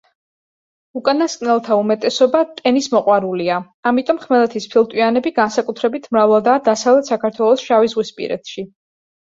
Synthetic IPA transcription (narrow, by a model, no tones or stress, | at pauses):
ukʼanaskʼnɛlˠt̪ʰaumɛt̪ʼɛsɔbat̪ʼɛnismɔqʼwaɾulia | amit̪ʼɔmχmɛlˠɛt̪ʰispʰilˠt̪ʼwianɛbiɡansakʼut̪ʰɾɛbit̪ʰmɾavalˠd̪aːd̪asavlɛt̪sakʰaɾt̪ʰwɛlˠɔsʃavizʁwispʼḭɾɛ̰t̪ʃi